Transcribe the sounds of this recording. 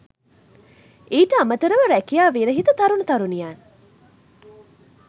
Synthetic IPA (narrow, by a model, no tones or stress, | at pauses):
eːʈəamət̪əɾəʋəɾækijaːʋeːɾəɦit̪ət̪aɾunut̪aɾunijaːn